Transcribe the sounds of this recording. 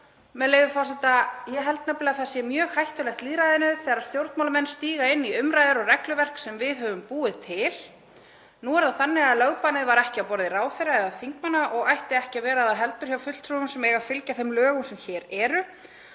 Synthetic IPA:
mɛðlejvʏfɔr̥sɛt̪ajɛɦɛlt̪̚naplɪɣaθasjɛmjœːɣhajht̪ʏlɛxt̪liːðɾajðɪnʏθɛːɣaɾaðst̪jowɾt̪mawlmɛnːst̪iːɣaɪnːiʏmɾajðʏɾɔɣrɛklʏvɛr̥ksɛmvɪðɦœvʏmpuːɪðt̪ʰɪl | nuːvaɾðaðθanːɪɣaðlœɣpanɪðvaɾɛhcɪapɔɾðɪraːwfɪɾaɛðaθiŋkmanːaʔɔɣajht̪ɪðɛhcɪavɛːɾaðaɦɛlt̪ʏɾ̥hjawfʏt̪l̥t̪ʰɾɔʏmsɛmɛːjɣafɪlcaθɛmlœːɣʏmsɛmçɛːɾɛːɾʏ

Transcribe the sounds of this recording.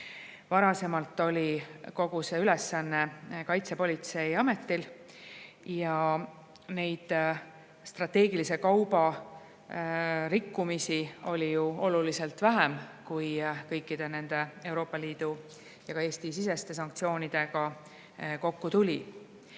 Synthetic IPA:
vɑɾɑse̞mɑlt̪ːˑo̞lʲiko̞ɡ̥use̞yle̞sːɑnːe̞kɑjt̪se̞po̞lʲit̪se̞jɑme̞t̪ːil | jɑ | ne̞jd̪̥ | st̪rɑt̪ːe̞ːɡilise̞kɑwb̥ɑ | ɾikːumisio̞lʲijuo̞luliselt̪væɦemkujkɤ̞jkːid̪̥e̞ne̞nd̪̥e̞e̞wɾo̞ːpːˑɑliːd̪̥u | jɑkɑe̞ːsʲt̪isise̞st̪e̞sɑŋk̚t̪sio̞ːnid̪̥e̞ɡ̥ɑ | ko̞kːut̪ulʲi

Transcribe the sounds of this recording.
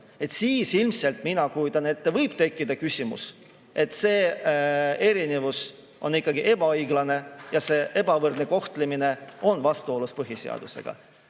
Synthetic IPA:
e̞t̪siːsilmse̞lt̪ˑminɑkujud̪ɑne̞t̪ːevɤjb̥t̪e̞kːid̪̥ɑkysʲimṵs | e̞t̪ːseː | e̞ɾine̞vus | ʔo̞nikːˑɑɡiʔe̞b̥ɑjɡlɑne̞jɑse̞ːʔe̞bɑvɤrd̪ne̞ko̞ht̪lemine̞o̞nvɑst̪uo̞luspɤɦisḛɑ̰d̪̥use̞̰ɡ̥ɑ̰

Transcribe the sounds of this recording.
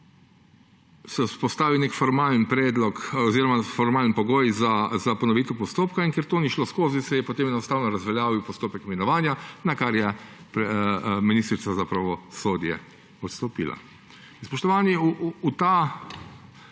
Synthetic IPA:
sɛspɔst̪aːʋiwnekfɔɾmaːlənpɾɛːd̪lɔkɔziːɾɔmafɔɾmaːlnpɔɡoːjzazapɔnɔʋiːt̪ɛwpɔst̪oːpkaiŋkɛɾt̪oːniʃloːskoːzisɛjɛpɔt̪eːmjɛnɔst̪aːwnɔɾazʋɛljaːʋiwpɔst̪oːpɛkmɛnɔʋaːnjanakaɾjɛpɾɛminist̪ɾit̪sazapɾaʋɔsoːd̪jɛ̰ | ɔt̪st̪ɔpḭːla̰ | spɔʃt̪ɔʋaːniuut̪a

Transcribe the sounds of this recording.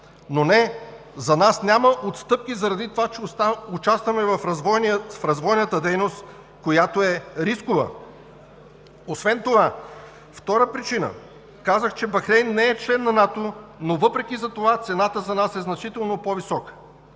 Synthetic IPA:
nonɛ | zɐnasnʲaməʔot̪st̪ɤp̚k̟ʲizɐɾɐd̪it̪ovat͡ʃɛost̪aʊt͡ʃast̪vɐmɛvɐfvɔnfɾɐzvɔjnət̪əd̪ɛjnost̪ | kojat̪oɛɾiskovə̰ | osvɛnt̪ova | ft̪ɔɾəpɾit͡ʃinə̰ | kazəxt͡ʃɛbɐxɾɛjnːɛɛt͡ʃlɛnːɐnat̪onovɤpɾɛk̟ʲizɐt̪ovat̪sɛnat̪əzɐnasɛznɐt͡ʃit̪ɛlˠnopɔvisɔkə̥

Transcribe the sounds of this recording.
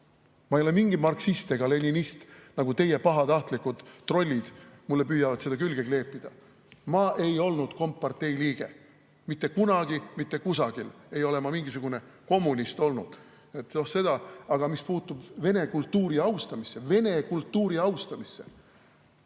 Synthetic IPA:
mɑejolemiŋɡimɑrksist̪eɡ̥ɑle̞nʲinist̪nɑɡ̥ut̪e̞je̞pɑɦɑt̪ɑht̪likud̪̥ro̞lʲːid̪̥mulːe̞pyːjɑvɑd̪sed̪ɑkylɡ̥eɡle̞ːpːˑid̪̥ɑ | mɑːʔe̞jo̞lnud̪̥ko̞mpːɑrt̪ːe̞jliːɡ̥e̞̰ | mit̪ːe̞kunɑɡ̥imit̪ːe̞kusɑɡ̥ile̞jo̞le̞mɑmiŋɡ̥isuɡ̥une̞ | ko̞mːunʲist̪o̞lnṵd̪̥ | et̪ːˑno̞hse̞d̪̥ɑɑɡ̥ɑmispuːt̪ːub̥ve̞ne̞kult̪ːuːɾiɑwst̪ɑmisːe̞ve̞ne̞kult̪ːuːɾiɑwst̪ɑmisːe̞̰

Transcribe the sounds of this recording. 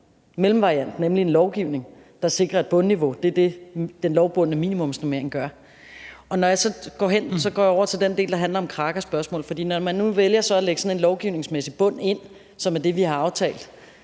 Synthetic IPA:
melm̩ʋɑ̈ʁiæn̰d̥nemlie̝nlɒʊɡ̥iʊ̰ne̝ŋ | d̥ɑ̈se̝ɡ̥ʁɐe̝d̥̚b̥ɔ̽nːiʋo̝d̥e̝d̥e̝d̥enlɒʊb̥ɔ̽n̰nəmḭːnimɔ̽msnomḛɐe̝ŋɡ̥ɶɐ | ɒ̽nɒjɑ̈sɒ̽ɡ̥ɒ̰ːɦen̰sɒ̽ɡ̥ɒ̰ːjɑɒʊ̰ɐt͡sʰe̝ld̥ende̝ːldɑ̈ɦænlɐɒ̽mkʰʁɑ̈ːɡ̥ɐsb̥ɶɐsmɔ̰ːlfɒd̥ḭːnɒmænːuʋeljɐsɒ̽æleɡ̥sɒ̽ne̝nlɒʊɡ̥iʊne̝ŋsmesib̥ɔ̽n̰e̝n̰ | sɒ̽mæɐd̥e̝ʋihɑ̈ɑ̈ʊt͡sʰɛ̰ːld̥

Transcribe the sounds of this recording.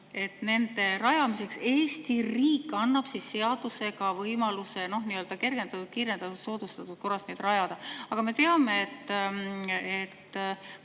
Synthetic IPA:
e̞t̪ne̞nd̪e̞ɾɑjɑmise̞kse̞ːst̪iriːkːˑɑnːɑb̥sisːe̞ɑd̪use̞ɡɑvɤjmɑluse̞no̞hniːø̞ld̪ɑke̞rɡ̥e̞nd̪̥ɑt̪ut̪̚kiːɾe̞nd̪̥ɑt̪ud̪so̞ːd̪̥ust̪ɑt̪ut̪̚ko̞rːɑstne̞jd̪̥rɑjɑd̪̥ɑɑɡ̥ɑme̞t̪e̞ɑme̞ːt̪ː | et̪ː

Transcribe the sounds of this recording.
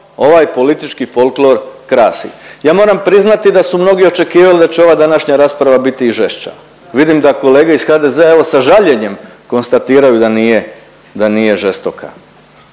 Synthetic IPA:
o̞ʋajpo̞lit̪it͡ʃkifo̞lklo̞ɾkɾaːsḭjaːmo̞ːɾampɾiznat̪id̪asumno̞ɡio̞t͡ʃe̞kiːʋalid̪at͡ɕeo̞ʋaːd̪anaʃɲaɾaːspɾaʋabit̪iːʒe̞ʃt͡ʃa̰ | ʋid̪imd̪ako̞le̞ːɡeisxaːd̪ezeae̞ʋo̞saʒaʎe̞ɲe̞mko̞nst̪at̪iːɾajud̪anije̞ | d̪anije̞ʒest̪o̞kʰa̰

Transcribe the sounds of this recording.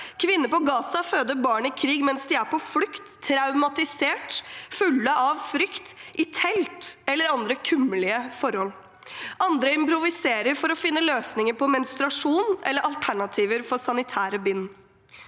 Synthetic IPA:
kʰʋɪnːəpɔɡɑːsɑføːd̪əbɑːɳɪkʰɾiːɡmɛnsd̪ɪæɾpʰɔflʏkt̪ʰːɾɑʉmɑt̪ɪseːʈfʉlːəʔɑʋfɾʏkt̪ɪt̪ʰɛlt̪ɛlːəɾɑnd̪ɾəkʰʉmːəlɪəfɔɾhɔl | ʔɑnd̪ɾəɪmpɾʊʋɪseːɾəɾfɔɾɔfɪnːəløːsnɪŋəɾpɔmɛnst̪ɾɑʂuːnʔɛ̰lːəɾɑlt̪ʰæɳɑt̪ʰiːʋəɾfɔɾsɑnɪt̪ʰæːɾəbɪnː

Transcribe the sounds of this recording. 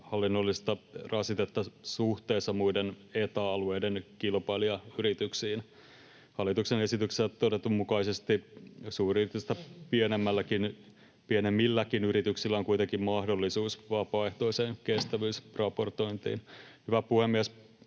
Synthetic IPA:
hɑlːinːolːist̪ɑrɑsit̪et̪ːɑsuht̪eːsːɑmuidenet̪ɑːlueidenkilpɑiliɑyɾit̪yksiːn | hɑlːˑit̪uksene̞sit̪ykset̪ːodet̪ːummukɑisest̪isuːriːt̪yst̪æpienemːælːækin | pienemːilːækinyɾit̪yksilːæoŋkuijt̪eŋkimmɑhdo̞lːisuːsʋɑpɑːeht̪o̞iseːnkest̪æʋyːsrɑpo̞rt̪o̞int̪ḭːnhyʋæpuhemːiæs

